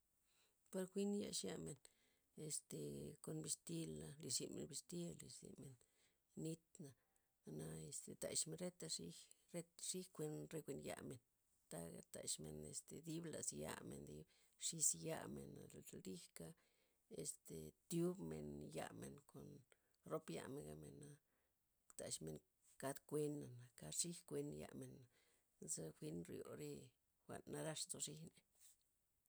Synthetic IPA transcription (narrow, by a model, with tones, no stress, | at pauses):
pa˧ɾkʷi˦nja˧ʂja˧me˨n | e˨st̪e˨ko˨nbi˧st̪i˦la˧li˨zi˧˨me˨nbi˧st̪i˦a˧li˨zḭ˨me˨nː | i˦t̪na˨ | na˧e˧st̪e˨t̪a˨ʃme˧nɾe˦t̪a˧ʂi˦ɾe˦t̪ʂi˦kʷe˧nɾe˧kʷe˧nja̰˧me˨n | t̪a˦ɡa˨t̪a˨ʃme˨˧nḛ˨st̪e˨d̪i˦bla˨sja̰˧me˨nd̪i˦b | ʂi˧sja˧me˨na˨ld̪i˦ka˦ | e˨st̪e˨t̪ju˦bme˨nja˧me˨nko˨n | ɾo˦pja̰˧me˨˧ɡa˧me˨na˧ | t̪a˨ʂme˨ŋ | ka˦d̪kʷe˧na˨na˨ka˧ʂi˦hkʷe˧nja̰˧me˨na | za˦xʷi˧˦nɾjo˨ɾi˦ | xʷa˨nːa˧ɾa˦ʂzo˧ʂi˦ne˧